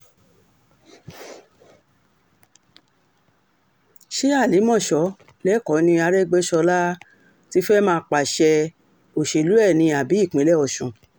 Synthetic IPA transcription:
ʃe˦a˦˨li˨˦mɔ̃˦˨ʃɔ˨˦ | lɛ˨˦kɔ˨˦nĩ˧a˧ɾɛ˦ɡ͡be˦ʃɔ˧la˦ | ti˦fɛ˦mãː˦˧k͡pa˨ʃɛ˧ | o˨ʃe˨lu˨˦ɛ˦˨nĩ˧a˨bi˨˦i˦˨k͡pẽ˨˦lɛ˦ɔ˧˨ʃũ˨

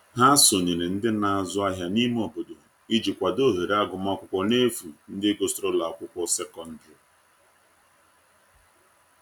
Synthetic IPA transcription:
ɦa˦so˨ɲe˨ne˨n̩˦dɪ˦na˨a˨zʊ˦a˦ɦja˦ni˦m˦o˨bo˦do˨i˦d͡ʒi˨kʷa˨do˦ɦe˨ɾa˦ɡʊ˨ma˦kʷʊ˦kʷɔ˦ne˦fu˨n̩˦dɪ˦ɡo˦sɾo˦la˨a˨kʷʊ˦kʷɔ˦se˦kɔ˨n̩˦dɾɔ˨

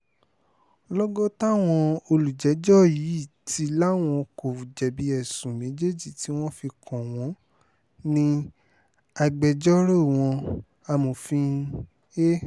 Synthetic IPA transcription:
lɔ˦ɡɔ˦ta˦˨w̃ɔ̃˧o˧lu˨d͡ʒɛ˨˦d͡ʒɔ˦ji˨˦i˦˨tʰi˧˦la˦w̃ɔ̃˧ko˨u˨d͡ʒɛ˨bi˨˧˦ɛ˦˨sũ˨mẽ˨˦d͡ʒe˦d͡ʒi˨ti˨˦w̃ɔ̃˦fi˧kʰɔ̃˨w̃ɔ̃˨˦ | nĩ˧ | a˧ɡ͡bɛ˧d͡ʒɔ˦ɾo˦˨w̃ɔ̃˧ | a˧mo˨fĩ˧˦ | e˦

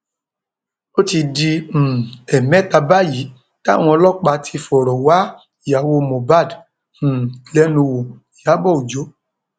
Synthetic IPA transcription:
o˦ti˧di˧m̩˨ɛ˨mɛ̃˨˦ta˧ba˦ji˨˦ | ta˦˨w̃ɔ̃˧lɔ˦k͡pa˧tʰi˧fɔ˨ɾɔ˨wa˦˨ | ja˨wo˧mõ˨ba˦˨d̩˨ | lɛ˨˦nũ˧wo˨ | ja˨˦bɔ˦˨u˨d͡ʒo˨˦

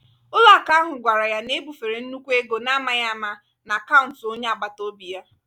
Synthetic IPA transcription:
ʊ˦la˦˨ka˦ɦʊ˨ɡʷa˨ɾa˨ja˦ne˦bu˨fe˨ɾe˨n̩˦nu˦kʷe˦ɡo˨na˦ma˦ja˦a˦˨ma˦ | na˨a˨ka˦ʊ˨n˨to˦ɲe˦a˨ɡ͡ba˨to˦bi˨ja˦

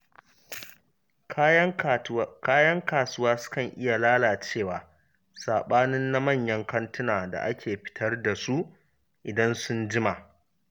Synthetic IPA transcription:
kaː˦jɐ˦ŋkaː˨sʊ˦waː˦sʊ̥˦kɐ˨ŋʔɪ˦ja˨laː˦laː˨t͡ʃeː˦˨waː˨ | saː˨ɓaː˦nɪ˦nːa˦mɐ˦˨ɲjɐ˦ŋkɐ˦ntʊ˦naː˨da̰˨ʔa̰˦kʲʰeː˨ɸɪ̥˦tʰɐ˦rda˨su˦ʔ | ʔɪ˨dɐ˦nsʊ˦nd͡ʒɪ˦ma˨ʔ

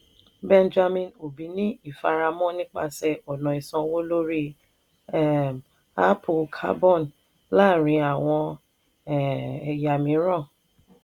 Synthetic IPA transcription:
bɛ˦nd͡ʒa˧mĩ˧no˨bi˨˦nĩ˦i˦˨fa˧ɾa˧mɔ̃˦nĩ˦k͡pa̰˧sɛ˧ʔɔ˨nɔ̃˨i˨sɔ̃˧wo˦lo˦ɾi˦ | ɛ˦˨ | a̰˦pʰo˧kʰa̰˦bɔ̃˦˨n | la˦˨ɾ̃ĩ˨˧a˨w̃ɔ̃˧ | ɛ˨ɛ˨ja˨mĩ˨˦ɾɔ̃˦˨

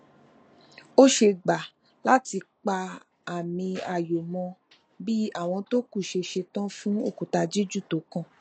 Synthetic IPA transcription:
o˦ʃe˧ɡ͡ba˨ | la˦ti˧k͡pa˧ | a˦˨mĩ˧a˦˨jo˨mɔ̃˧ | bi˦a˦˨w̃ɔ̃˧to˦ku˦˨ʃe˧ʃe˧tã˦fũ˦o˦˨ku˨ta˧d͡ʒi˦d͡ʒu˦˨to˨˦kã˦˨

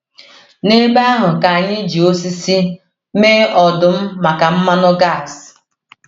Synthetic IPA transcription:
ne˦ɡ͡ba˦a˦ɦʊ˨ka˨a˨ɲɪ˦d͡ʒi˨o˦s̬i˦si˦ | meː˦ɔ˨dʊ˨m̩˦ma˨ka˨m̩˦ma˦nʊ˦ɡa˦˨s

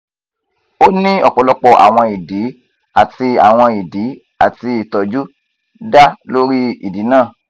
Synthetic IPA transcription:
o˦nĩ˦ɔ˦˨k͡pɔ˨˧lɔ˦k͡pɔ˧ʔa̰˨w̃ɔ̃˧i˨di˨˦ | a˦˨ti˧a̰˨w̃ɔ̃˧i˨di˨˦ | a˨ti˧i˨tɔ˨d͡ʒu˦ | da˦lo˦ɾi˦i˨di˨˦nãː˦˨

